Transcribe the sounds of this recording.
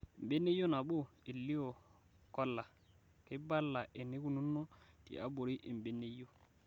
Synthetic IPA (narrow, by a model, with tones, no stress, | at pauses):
m˨be˦ne˦jo˦na˨ɓo˦˨i˨lːi˦o˨ | kɔ˦lːa˨ | kɪ˦ba˦lːa˨ʔe˨ni˦ku˨nu˦nːo˦tḭ˨a̰˦bo˨ɾi˦ʔi˨m˨be˦nːe˦jo˦